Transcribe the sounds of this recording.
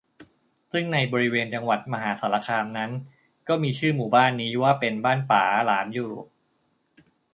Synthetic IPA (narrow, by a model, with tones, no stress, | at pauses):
sɯ˥˩ŋna˧jbɔː˧ɾi˦˥weː˧nt͡ɕa˧ŋwa˨˩t̪̚ma˧ɦaː˩˦saː˩˦la˧kʰaː˧mna˦˥n | kɔː˥˩miː˧t͡ɕʰɯː˥˩muː˨˩baː˥˩nːiː˦˥waː˥˩pe˧nbaː˥˩npaː˩˦laː˩˦mjuː˧ɾoː˨˩p̚